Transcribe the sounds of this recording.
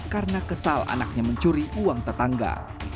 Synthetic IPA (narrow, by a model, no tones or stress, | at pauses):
karənakəsala̰na̰k̚ɲaməɲt͡ʃuɾiʔuaŋt̪ət̪aŋɡa̰